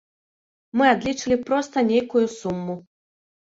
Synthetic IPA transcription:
mɨad̪lʲit͡ʂɨlʲipɾɔst̪ɐnʲejkujusumːu

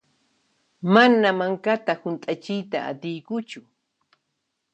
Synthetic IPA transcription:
manamaŋkat̪ahʊnt̪ʼat͡ʃɪjt̪a̰a̰t̪ɪjkʊt͡ʃʊ

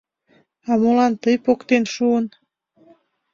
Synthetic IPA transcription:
ɑmolɑnt̪əjpokt̪enʃuən

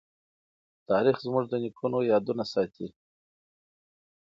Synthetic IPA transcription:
t̪ɑɾixzmʊʐd̪ənikʰunojɑd̪unasɑt̪ʰi

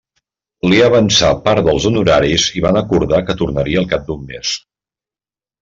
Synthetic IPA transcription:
liaβənsapaɾðəlˠzunuɾaɾiziβanəkuɾðakət̪uɾnəɾiəlˠkap̚d̪umːes

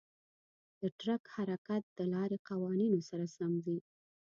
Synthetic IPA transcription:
d̪̥əʈɾakhaɾakat̪̚d̪̥əlɑɾeqawɑninosaɾasamzi

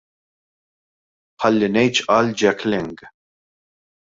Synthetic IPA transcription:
ħɐlːinɛjt͡ʃʔɐld͡ʒɛklɪŋɡ

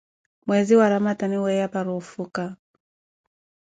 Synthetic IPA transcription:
mwɛziwaɾamataniwɛjapaɾufuka

